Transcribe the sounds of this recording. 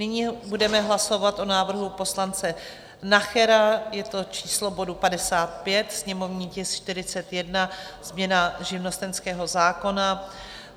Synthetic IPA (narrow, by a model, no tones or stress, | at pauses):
nɪɲibudɛmɛɦlaso̞vat̪ʔo̞naːvr̩ɦupo̞slant͡sɛ | naxɛɾajɛt̪o̞t͡ʃiːslo̞bo̞dupadɛsaːt̪̚pjɛt̪sɲɛmo̞vɲiːcɪsʃt̪ɪɾɪt͡sɛt̪jɛdnaz̥mɲɛnaʒɪvno̞st̪ɛnskɛːɦo̞zaːko̞na